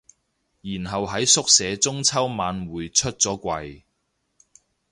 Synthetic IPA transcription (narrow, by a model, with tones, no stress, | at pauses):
jiː˨˩nɦɐ˨wɦɐ˨˥jsʊ˥k̚sɛː˨˧t͡sʊ˥ŋt͡sʰɐ˥wmaː˨˧nwuː˨jt͡ʃʰɵ˥t̚t͡sɔː˨˥kʷɐ˧j